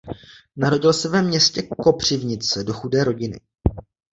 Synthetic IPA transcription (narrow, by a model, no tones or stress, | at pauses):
naɾo̞ɟɪlsɛvɛmɲɛscɛko̞pr̝̥ɪvɲɪt͡sɛdo̞xudɛːɾo̞ɟɪnɪ̰